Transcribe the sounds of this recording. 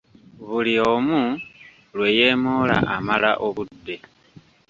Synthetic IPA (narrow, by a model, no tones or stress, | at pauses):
βuliomu | lwe̞je̞ːmoːla̰ʔamalaʔo̞βudːe̞